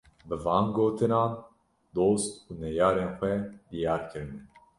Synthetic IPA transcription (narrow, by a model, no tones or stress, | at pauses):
bɨvɑːnɡoːt̪ʰɨnɑːn | d̪oːst̪uːnɛjɑːɾeːnxʷɛd̪ijɑːɾkʰɨɾɨnɛ